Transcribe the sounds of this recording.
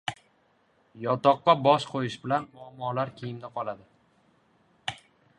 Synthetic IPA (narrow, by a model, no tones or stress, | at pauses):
jɒt̪ɒqːɑbɒʃqʰojɪʃbɪlanmʊamɒlaɾkʲʰejɪmd̪aqʰɒlad̪ɪ